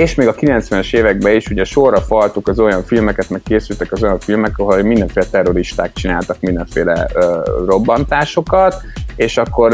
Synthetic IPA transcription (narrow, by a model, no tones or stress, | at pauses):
eːʃmeːɡɒkilɛnt̪sʋɛnɛʃeːvɛɡ̚bɛiʃuɟɛʃo̞rːɒfɒlt̪ukɒzo̞jɒɱfilmɛkɛt̪mɛkːeːsylt̪ɛkɒzo̞jɒɱfilmɛkɒɦolmind̪ɛɱfeːlɛt̪ɛro̞ɾiʃt̪a̰ːk̚t͡ʃinaːlt̪ɒkmind̪ɛɱfeːlɛ̰ːro̞bːɒnt̪aːʃo̞kɒt̪eːʃɒkːo̞r